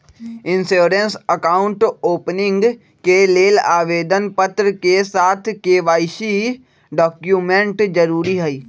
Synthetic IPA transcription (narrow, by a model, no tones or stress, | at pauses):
ɪ̃nsoːɾənsəkaːʊ̃ɳʈoːpnɪ̃ŋɡ | keleːlaːʋeːd̪ənpət̪ɾəkesaːt̪ʰkeːʋaːɪʃi | ɖɔːkjuːmẽɳʈd͡ʒəɾuːɾiɦɛiː